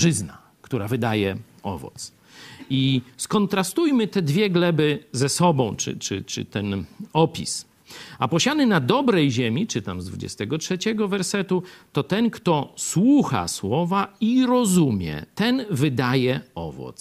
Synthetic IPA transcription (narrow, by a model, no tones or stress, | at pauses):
ʐɘzna̰ | kt̪uɾavɘd̪ajɛ | ɔ̰vɔ̰t̪s | iskɔnt̪ɾast̪ujmɘt̪ɛd̪vʲjɛɡlɛbɘzɛsɔbɔ̃w̃t͡ʂɘ̰t͡ʂɘ̰t͡ʂɘ̰t̪ɛnɔpʲḭs | apɔɕanɘnad̪ɔbɾɛjʑemʲit͡ʂɘt̪amzd̪vud͡ʑɛ̰st̪ɛɡɔtʂɛt͡ɕɛɡɔvɛɾsɛt̪ut̪ɔt̪ɛnkt̪ɔswuxa̰swɔvaiɾɔzumʲjɛ̰t̪ɛnvɘd̪ajɛɔ̰vɔ̰t̪s